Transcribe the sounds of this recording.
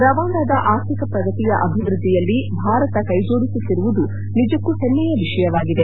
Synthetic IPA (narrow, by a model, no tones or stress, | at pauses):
ɾɐʋaːnd̪aːd̪ɐʔaːt̪ikɐpɾɐɡɐt̪ijɐʔɐbʱiʋɾud̪ʱːijɐlːibʱaːɾɐt̪ɐkɐjd͡ʒoːɽisut̪ːiɾuʋud̪u | nid͡ʒɐkːuhenːɛjɐʋiʃɐjɐʋaːɡid̪e̞